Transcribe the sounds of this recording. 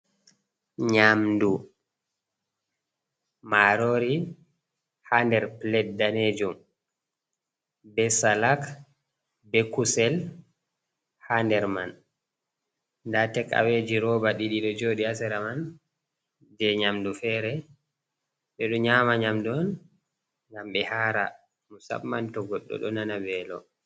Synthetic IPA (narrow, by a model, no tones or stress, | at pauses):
ɲamdu | maɾoɾi | handɛɾplɛt̚daned͡ʒum | bɛsalak | bɛkusɛl | handɛɾma̰n | ndatɛka̰wed͡ʒiɾɔbaɗiɗiɗɔd͡ʒoːɗiasɛɾaman | d͡ʒɛɲamdufɛːɾɛ | ɓɛɗɔɲamaɲamdɔn | ŋɡamɓɛhaɾa | musa̰ɓmantɔɡɔɗːɔ̰ɗɔ̰nanabɛːlɔ̰